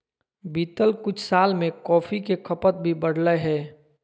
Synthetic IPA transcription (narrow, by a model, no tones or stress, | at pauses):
biːt̪əlkʊt͡ʃʰsaːlmẽkɔːfʰikekʰəpət̪̚bʱibəɽləɦɛː